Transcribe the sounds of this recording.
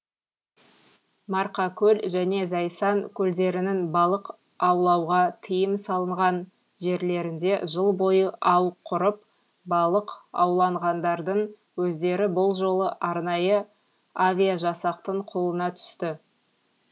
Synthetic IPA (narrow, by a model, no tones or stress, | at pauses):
mɑɾqɑkʲʰɵlʒæne̞zɑjsɑŋkʲʰɵld̪e̞ɾɪnɪnbɑlˠəq | ɑwlˠɑwʁɑt̪ʰəjəmsɑlˠəɴʁɑn | ʒe̞ɾle̞ɾɪnd̪e̞ʒəlˠbo̞jəʔɑwqʰʊɾəp̚ | bɑlˠəqɑ̰wlˠɑɴʁɑnd̪ɑɾd̪əɴ | wɵzd̪e̞ɾɪbʊlˠʒo̞lˠəʔɑɾnɑjə | avʲijaʒɑsɑqt̪əɴqʰo̞lˠənɑt̪ʰʏ̥st̪ɪ